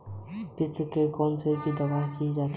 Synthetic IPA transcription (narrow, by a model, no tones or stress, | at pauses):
bɪst̪əkekɔːnsekid̪ɐbaːɦkid͡ʒaːt̪